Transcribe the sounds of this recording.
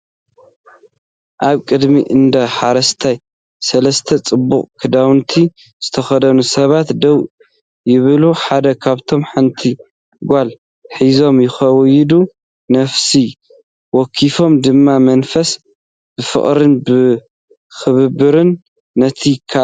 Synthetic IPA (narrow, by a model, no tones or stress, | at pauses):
ʔaβkʼɨd̪miʔɨnd̪ɐħaɾɐst̪ʰaj | sɐlɐst̪ʰɐt͡sʼɨbːuχʼkʰɨd̪awɨnt̪ʰi | z̥ɨt̪ʰɐxɐd̪ɐnusɐβat̪d̪ɐw | jɪβɨluħad̪ɐkʰaβt̪ʰo̞mħant̪ʰi | ɡʷal | ħizo̞mjɪxɐwjɪd̪u | nɐfsi | wɔkʰːifo̞md̪ɨmːamɐnfɐs | b̥ɨfɨ̰χʼɾɨnbɨ | xɨβɨbɨɾɨnː | ɐt̪ʰikʰa